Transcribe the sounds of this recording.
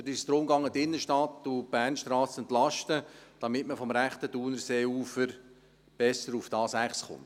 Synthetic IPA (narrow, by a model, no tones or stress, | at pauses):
dist̪ɾʊmɡɑŋːətɪnːəʃtɑt̪ːub̥æːrnʃtrɑːsɛnt̪lɑʃtəd̥ɑmɪtməfɔmɾæχt̪əd̥uːnəɾseːuːfəɾ | b̥ɛsːəɾufd̥ɑːsæχsχʊ̰nt